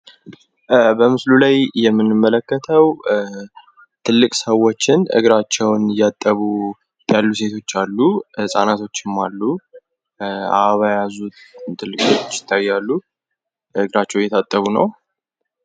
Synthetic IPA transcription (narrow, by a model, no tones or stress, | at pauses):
bəmɨslulajjɛmːɨnːɨmːələkːət̪ʰəw | t̪ʰɨlːɨkʼsəwo̞t͡ʃːɪnʔɨ̰ɡɾat͡ʃːɛwnjat̪ʼːəβu | jalːuse̞t̪ʰo̞t͡ʃːalːusʼa̰nat̪ʰo̞t͡ʃːɪmːalːu | a̰βajazut̪ʰːɨlːɨkʼo̞t͡ʃːɪ̥t̪ʰːajːalːu | ɨɡɾat͡ʃːɛwjɛt̪ʰat̪ʼːəβunə̰w